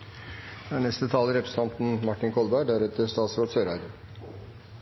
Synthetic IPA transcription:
jɑɳɛst̪ət̪ʰɑːləɾɛpʰɾəsə̥t̪ʰɑnt̪n̩mɑʈːɪnkʰɔlbæɖæɾɛt̪əst̪ɑːt̪sɾoːt̪søːɾɑɾə

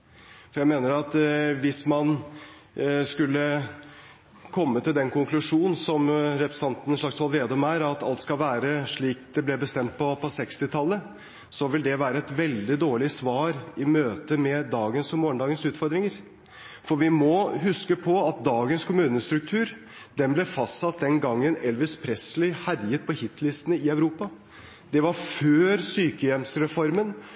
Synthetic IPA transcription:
fɔjæɪmeːnəɾɑt̪ʋɪsmɑn | skʉlːə | kʰɔmːət̪ɪld̪ɛnkʊŋklʉʂuːnn̩sɔmɾɛpɾə̥sɑnt̪n̩əʂɭɑksʋɑlʋeːd̪ɔmæːɾɑt̪ɑ̰lt̪skɑlʋæːɾəʂɭiːk̚d̪ɛblɛbəst̪ɛmt̪̚pʰɔpʰɔsɛkst̪ɪt̪ʰɑlːə | sɔʋɪld̪ɛʋæːɾəɛt̪ʋɛld̪ɪd̪oːɭɪsʋɑːɾɪmøːt̪əmɛd̪ɑːɡənsɔmoːəɳd̪ɑːɡənsʉːt̪fɔɾd̪ɾɪŋəɾ | fɔɾʋɪmɔɦʉskəpʰɔɑt̪̚d̪ɑːɡənskʰʊmʉːnəst̪ɾʉk̚t̪ʰʉːɾ | d̪̥ɛnblɛfɑst̪sɑt̪̚d̪ɛnɡɑŋːənɛlʋɪspʰɾɛslɪhæɾjət̪̚pʰɔhɪt̪ʰːlɪst̪ənəɪɑʉɾuːpɑ | d̪ɛʋɑɾføːɾsyːkəjɛmsɾɛfɔɾmən

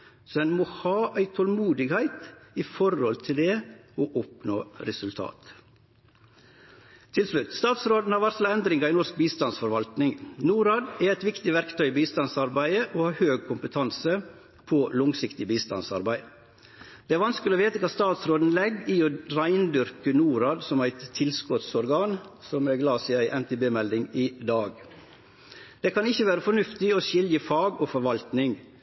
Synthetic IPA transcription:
sɔɛnmoːhɑːʔæɪt̪ʰɔlmuːd̪ɪɡhæɪt̪ifɔɾhɔlt̪ʰɪld̪ɛɔʔɔpno̰ːɾɛsʉlt̪ʰɑ̰ːt̪ | t̪ʰɪlslʉt̪st̪ɑːt̪sɾoːd̪n̩hɑɾʋæɾslɑɛnd̪ɾɪŋɑɾɪnɔɾsk̚biːst̪ɑnsfɔɾʋɑlt̪nɪŋnuːɾɑːd̪æɾɛɪt̪ʋɪkt̪ɪʋæɾkt̪ʰœʏbiːst̪ɑnsɑɾbæɪəʔoːhɑːɾhøːɡ̚kʰʊmpət̪ʰɑnsə | pʰɔlʊŋsɪkt̪ɪbiːst̪ɑ̰nsɑ̰ɾbæɪ | d̪̥ɛæɾʋɑnskəloːʋeːt̪əkʰɑːst̪ɑːt̪sɾoːd̪n̩lɛɡɪɔɾæɪnd̪ʏɾkənuːɾɑːd̪sɔmæɪt̪t̪ʰːɪlskɔt̪sɔɾɡɑːnsɔmɛɡlɑːsɪæɪʔɛnt̪ʰebeːmɛld̪ɪŋɪd̪ɑːɡ | d̪̥ɛkʰɑnɪçːəʋæːɾəfɔnʉft̪ɪɔʃɪljəfɑːɡɔfɔɾʋɑlt̪nɪŋ

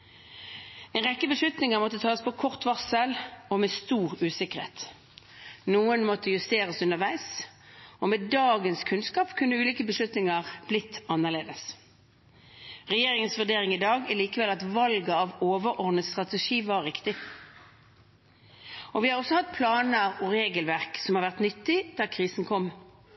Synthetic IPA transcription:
ɛɪnʁɛkːəbəslʉt̪nɪŋəmɔt̪ːət̪ʰɑːspʰɔkʰɔʁt̪ʋɑʁsəlɔmest̪uːʁʉːsɪkəʁhḛːt̪ | nuːənmɔt̪əjʉst̪eːʁəsʉnəʁʋæɪs | ɔmeːd̪ɑːɡənskʰʉnskɑːpkʰʉnːəʉːliːkəbəslʉt̪nɪŋɑʁb̥lɪt̪ʰːɑnːəʁleːd̪əs | ʁɛjeːʁɪŋənsʋʉd̪eːʁɪŋɪd̪ɑːɡæliːkəʋɛlɑt̪ʋɑlɡəɑʋoːʋəɔʁd̪nəst̪ʁɑt̪ɛʂiːʋɑɾːɪkt̪ɪ | ʔɔʋɪhɑʁɔsːɔhɑt̪̚ːpʰlɑːnəɾɔʁeːɡəlʋæʁksɔmhɑʁʋæʁt̪nʏt̪ːɪd̪̥æːʁkʰʁiːsn̩kʰɔmː

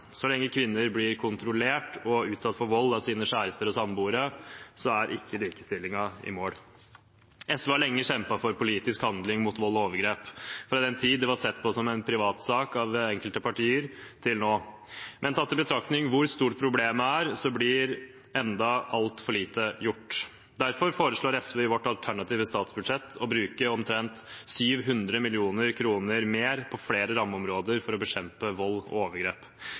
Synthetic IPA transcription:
sɔlɛŋːəkʰʋɪnːəɾblɪɾkʰʊnt̪ɾʊleːʈɔʉːt̪sɑt̪ːfɔɾʋɔlːɑʋsiːnəʂæːɾəst̪əɾɔsɑmbuːɾəsɔæɾʔɪ̰kːəliːkə̥st̪ɪlːɪŋɑɪ̰moːɽ | ɛsʋəɑɭɛŋːəɕɛmpɑfɔɾpʊliːt̪ɪskhɑnd̪lɪŋmʊt̪ʋɔlːɔoːʋəɾɡɾeːpfɔɾɑd̪ɛnt̪ʰiːd̪d̪ɛʋɑsɛt̪ːpʰɔsɔmɛɪnpʰɾɪʋɑːt̪sɑːkɑʋɛŋkəlt̪əpʰɑʈʰiːəɾt̪ʰɪlnoː | mʔɛnt̪ʰɑt̪ːɪbət̪ʰɾɑkt̪nɪŋʋʊɾst̪uːʈ̚pʰɾʊbleːməæːɾsɔblɪɾ | ɛnd̪ɑɑlt̪fɔɭiːt̪əjʊʈː | d̪æɾfɔɾfoːɾəʂɭoːɾɛsʋɛɪʋɔʈːɑlt̪ʰæɳɑt̪ʰiːʋəst̪ɑːt̪sbʉd̪ʂɛt̪ʰːɔbɾʉːkəɔmt̪ʰɾɛnt̪syːʋɦʉnd̪ɾəmɪlɪuːnəɾkʰɾuːnəɾmeːɾpʰɔfleːɾəɾɑmːəɔmɾoːd̪əɾfɔɾɔbəɕɛmpəʋɔlːɔ̰oːʋəɾɡɾeːp

